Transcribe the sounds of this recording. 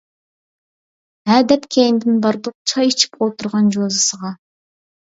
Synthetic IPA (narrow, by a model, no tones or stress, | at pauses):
æd̪ɛpkʲʰejnd̪ɪnbɑɾd̪uq̚t͡ʃʰɑjit͡ʃʰɪ̥pot̪ʊɾʁɑnd͡ʒozɑsəʁɑ